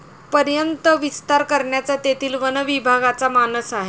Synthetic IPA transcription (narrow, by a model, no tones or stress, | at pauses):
pəɾjənt̪əʋist̪aɾkəɾɳjat͡sat̪et̪iːlʋənəʋibʱaɡat͡samanəsaɦe